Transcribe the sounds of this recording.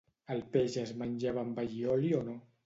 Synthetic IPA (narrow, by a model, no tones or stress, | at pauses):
əlpeʒəzmanʲʒaβambaʎiɔliono